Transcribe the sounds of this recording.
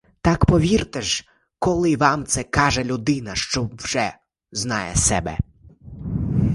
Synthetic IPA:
t̪ɑkpɔʋʲirt̪ɛʒ | kɔlˠɪʋɑmt̪sɛkɑʒɛlʲʊd̪ɪnɐʃt͡ʃɔwʒɛ | znɑ̰jɛ̰sɛ̰bɛ̰

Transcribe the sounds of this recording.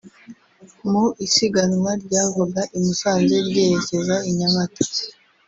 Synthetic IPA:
muisiɡanŋwaɾɟaːvoɡaʔimisaːnze̞ɾɟeːjecezaiɲamato̥

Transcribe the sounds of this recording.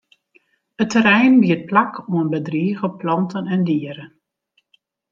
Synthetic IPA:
ətːəɾɛjnbiət̚plakʰuənbədriəɣəplɑntənɛndiəɾən

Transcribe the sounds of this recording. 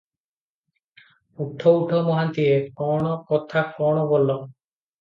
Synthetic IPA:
uʈʰɔuʈʰɔmɔɦant̪iekɔɽ̃ɔkɔt̪ʰakɔɽ̃ɔbɔlːɔ

